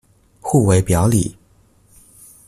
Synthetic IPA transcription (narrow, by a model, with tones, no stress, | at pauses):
xu˥˩we˧˥ɪpjɑ˧˥ʊlḭ˨˩˦